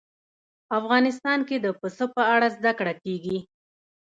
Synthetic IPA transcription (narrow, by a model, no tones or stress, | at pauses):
afɣɑnɪs̬t̪ɑnked̪əpəsopəaɽazd̪akɽakeɡi